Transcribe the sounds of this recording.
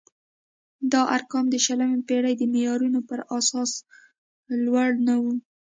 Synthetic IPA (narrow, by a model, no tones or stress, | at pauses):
d̪ɑʔaɾkɑmd̪əʃalamepeɽajd̪əmejɑɾunopəɾasɑs | lwaɽnawu